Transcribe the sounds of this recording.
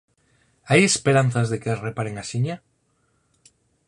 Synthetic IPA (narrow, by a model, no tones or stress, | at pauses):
aje̞speɾan̟θazðe̞keasre̞paɾeŋasiɲa